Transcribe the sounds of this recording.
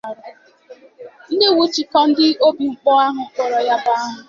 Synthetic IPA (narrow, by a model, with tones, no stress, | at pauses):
ɾ | n̩˦de˦˨wu˦t͡ʃi˨kɔ˦n̩˦dɪ˦o˦bi˨ŋ͡m̩˦k͡pɔ˦a˦ɦʊ˨kɔ˨ɾɔ˨ja˦ba˦a˦ɦʊ˨